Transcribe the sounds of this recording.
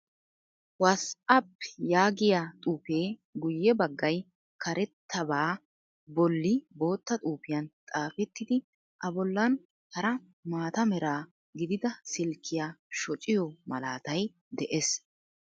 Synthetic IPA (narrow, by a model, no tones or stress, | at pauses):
wɐskɐpːjaːɡɪjat̪ʼuːpe̞ːɡʊjːɛbɐɡːɐj | kʰɐɾʔɛt̪ʰːɐbaː | bɔlːɪbo̞ːt̪ːɐt̪ʼuːpɪjɐnt̪ʼaːfɛt̪ːɪd̪ɪ | ʔɐbɔlːɐn | hɐɾɐ | maːt̪ɐmɛɾaː | ɡɪd̪ɪd̪ɐsɪlkʰːɪjaːʃɔt͡ʃʼɪjɔmɐlaːt̪ɐj | d̪ɛʔes